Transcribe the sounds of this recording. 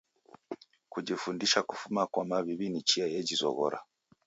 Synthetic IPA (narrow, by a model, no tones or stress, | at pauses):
kuɟifundiʃaku̥fumakwamaβiβinit͡ʃiajeɟizɔ̰ɣɔ̰ɾa̰